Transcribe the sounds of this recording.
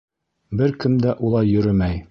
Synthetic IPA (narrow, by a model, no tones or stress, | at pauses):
bɘɾkɘ̆md̪æʔulˠɑjːɵ̆ɾɘmæj